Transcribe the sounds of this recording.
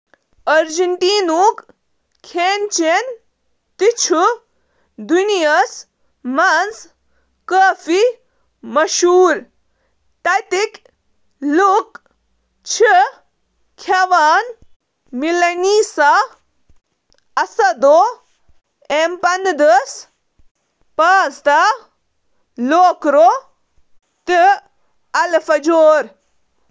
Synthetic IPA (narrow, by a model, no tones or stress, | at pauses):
ɐɾd͡ʒiɳʈiːnuk | kʰːent͡ʃen | t̪it͡ʃʰu | d̪unijɐs | mɐns | kəːfi | mɐʃuːɾ | t̪ɐt̪ik | luk | t͡ʃʰi | kʰɐʋaːn | milɐniːsa | ɐsɐd̪oː | empɐnd̪əs | paːzt̪a | loːkɾoː | t̪i | ɐlfɐd͡ʒoːɾ